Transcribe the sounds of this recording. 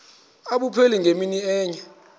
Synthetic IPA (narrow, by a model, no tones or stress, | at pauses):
aɓupʰeliŋɡʱeminiɛːɲa